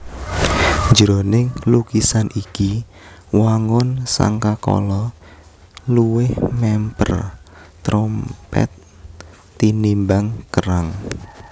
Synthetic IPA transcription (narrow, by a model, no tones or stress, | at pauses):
ɲd͡ʒəɾonɪŋlukisanʔiki | waŋʊnsa̰ŋkakɔ̰lɔ | luwɪhmɛmpə̰rt̪ɾɔmpɛ̰t̪ː | inimbaŋkəɾaŋ